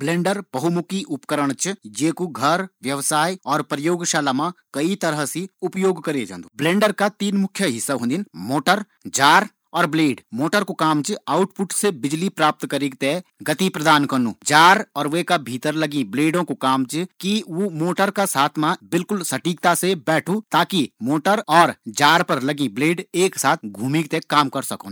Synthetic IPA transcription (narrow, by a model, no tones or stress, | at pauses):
blẽːɳɖəɾbɐɦumʊkiʔʊpkəɾəɽ̃t͡ʃd͡ʒeːkuɡʱəɾʋjɐʋsaːjɔːɾpɾɐjoːɡʃaːlamãkɐit̪ɐɾəɦsiʊpjoːɡkɐɾed͡ʒã̰ːnd̪oblẽːɳɖəɾkat̪iːnmʊkʰːjəɦɪsːaɦõnd̪inmoːʈəɾ | d͡ʒaːɾ | ɔːɾbleːɖmoːʈəɾkokaːmt͡ʃaːʊʈpʊʈsebɪd͡ʒlipɾaːp̚t̪kɐɾiɡt̪eɡɐt̪ipɾɐd̪aːnkɐnũːd͡ʒaːɾɔːɾʋekabʱiːt̪əɾlɐɡĩbleːɖõkokaːmt͡ʃkiʋomoːʈəɾkasaːt̪ʰmãbɪlkʊlsɐʈiːk̚t̪asebɛːʈʰut̪aːkimoːʈəɾɔːɾd͡ʒaːɾpɐɾlɐɡĩbleːɖeːksaːt̪ʰɡʱuːmiɡt̪ekaːmkɐɾsɐkõ